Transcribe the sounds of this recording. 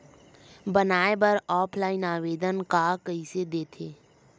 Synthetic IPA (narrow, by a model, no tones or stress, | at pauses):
bənaːebəɾɔːpʰlaːɪnaːʋeːd̪ənkakəised̪eːt̪ʰeː